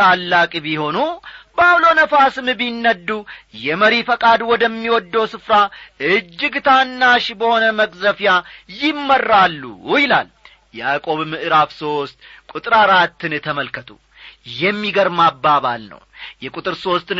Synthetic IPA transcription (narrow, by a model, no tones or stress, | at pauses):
alːakʼbiho̞nubaβlo̞nəfasɨmbinːəd̪ːujɛməɾifəkʼad̪wɔd̪əmːiwɔd̪ːəwsɨfɾaɨd͡ʒːɪɡt̪ʰanːaʃbəho̞nəməkʼzəfjajɪmːərːalːṵjɪla̰l | jɛakʼo̞βmɨʔɨɾafso̞st̪kʼut̪ʼɨɾaɾat̪ːɨnt̪ʰəməlkʰət̪ʰʼu | jɛmːiɡəɾmabːaβa̰lnə̰wjɛkʼut̪ʼɨɾso̞st̪ɨn